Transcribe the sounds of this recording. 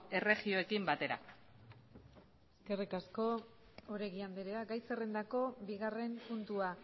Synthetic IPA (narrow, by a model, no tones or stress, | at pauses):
e̞re̞ɣio̞e̞kimbat̪e̞ɾa̰ | eske̞rikasko̞ | oɾe̞ɣiand̪eɾeaɡajsere̞nd̪ako̞biɣ̞are̞mpunt̪ua